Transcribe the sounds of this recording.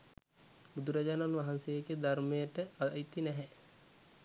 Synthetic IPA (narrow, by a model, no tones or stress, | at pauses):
bud̪uɾad͡ʒaːnnʋaɦansejəɡed̪armejəʈəait̪ːinɛɦɛ